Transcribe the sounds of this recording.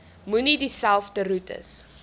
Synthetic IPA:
munidisælˠfdəɾutə̰s

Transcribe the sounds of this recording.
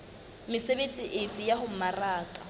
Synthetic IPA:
mɪsebet͡sʼiʔɪfijahʊmaraːkʼa

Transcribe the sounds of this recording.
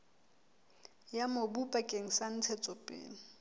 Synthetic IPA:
jamobupʼakʼeŋ̩san̩t͡sʰɛt͡sʼɔpʼḛːŋ̩

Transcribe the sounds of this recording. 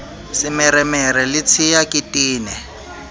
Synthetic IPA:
sɪmɛɾɛmɛɾɛlɪt͡sʰɪjakʼɪtʼiːnɛ

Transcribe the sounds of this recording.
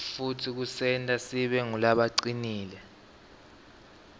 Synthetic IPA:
futʰik̬usɛntʼasiɓɛŋulaɓaǀiniːlɛ

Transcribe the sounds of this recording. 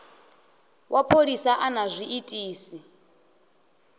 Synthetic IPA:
wʔapʰolisaʔanazʷiitʼiːsi

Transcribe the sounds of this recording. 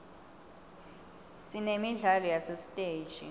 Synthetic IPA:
sinemiɮalɔjasestʼeːd͡ʒʱi

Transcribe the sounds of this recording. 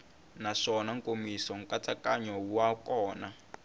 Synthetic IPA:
naʂɔnaŋkomisɔŋkat͡sakaɲɔuwakɔːna

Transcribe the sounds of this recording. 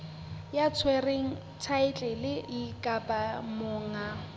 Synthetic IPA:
jat͡sʰwɛreŋ̩ | t͡sʰaɪt͡ɬʼɛlɪikʼapʼamʊːŋa

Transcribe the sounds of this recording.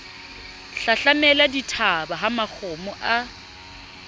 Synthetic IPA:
ɬaɬamɛladitʰabaɦamak͡xʰɔmɔʔa

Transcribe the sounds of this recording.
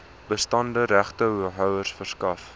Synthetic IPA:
bəstɐndəɾæχtəuɦœwərsfərskɐf

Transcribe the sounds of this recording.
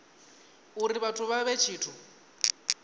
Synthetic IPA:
uɾiβatʰuβaβet͡ʃʰiːtʰu

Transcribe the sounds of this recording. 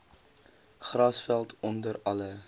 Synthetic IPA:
χrɐsfælˠtɔndəɾɐlə

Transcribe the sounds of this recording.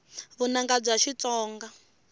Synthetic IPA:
βunaŋɡad͡zaʃit͡sɔːŋɡa

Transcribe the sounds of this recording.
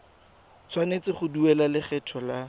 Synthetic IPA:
t͡sʰwanet͡sɪχʊduɛlalɪχɛtʰɔla

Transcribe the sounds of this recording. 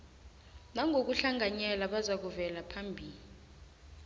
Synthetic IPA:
naŋʱok̬uɬaŋʱaɲɛlaɓazak̬uvɛlapʰambʱiːli

